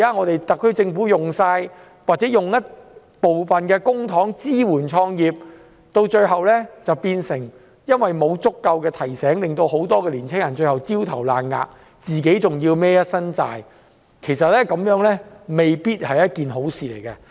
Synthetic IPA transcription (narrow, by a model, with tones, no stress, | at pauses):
kaː˦˥ŋɔː˨˧t̪e˨jt̪ɐ˨kʰːɵ˥ɥt͡sɪ˧ŋfuː˨˥jʊ˨ŋsaː˧j | waː˨˩t͡sɛː˨˦˥jʊ˨ŋjɐ˥t̚ | po˨wfɐ˨nkɛː˧kʊ˥ŋt̪ʰɔː˨˥ŋt͡siː˥wuː˨˩nt͡ʃʰɔː˧ŋjiː˨p̚ | t̪o˧wt͡ʃɵ˧ɥɦɐ˨wlɛː˥t͡sɐ˨wpiː˧nsɪ˨˩ŋ | jɐ˥nwɐ˨jmo˨˧wt͡sʊ˥kːɐ˧wkɛː˧t̪ʰɐ˨˩jsɛː˨˥ŋlɪ˨ŋt̪o˧who˨˥wt̪ɔː˥kɛː˧liː˨˩nt͡sʰɪ˥ŋjɐ˨˩nt͡ʃɵ˧ɥhɐ˨˩wt͡si˥wt̪ʰɐ˨˩wlaː˨˩nŋa̰ː˨˧k̚ | t͡siː˨ke˨˥jt͡sʊ˨˩ŋjiː˧wmɛː˥jɐ˥t̚sɐ˥nt͡sa̰ː˨j | kʰe˨˩jsɐ˨t̚lɛː˥kɐ˨˥mjœː˨˥ŋlɛː˥me˨jpiː˥t̚hɐ˨jɐ˥t̚kiː˨nɦo˨˥wsiː˨lḛ˨˩jkɐ˧